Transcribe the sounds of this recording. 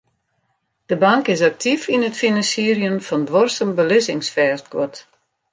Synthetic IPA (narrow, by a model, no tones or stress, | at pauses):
d̥əbaŋkɪsak̚tʰifinətfinansiərjəmfɔndʋɔrsəmbəlɪsɪŋsfɛːrtkɔ̰t